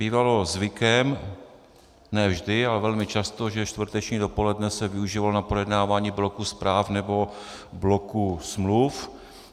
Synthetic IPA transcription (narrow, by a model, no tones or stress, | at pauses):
biːvalo̞zvɪkɛm | nɛːvʒdɪalɛvɛlmɪt͡ʃast̪o̞ʒɛʃt̪vr̩t̪ɛt͡ʃɲiːdopo̞lɛdnɛsɛvɪuʒivalonapɾojɛdnaːvaːɲiːblo̞kuspɾaːfnɛbo̞blokusmluf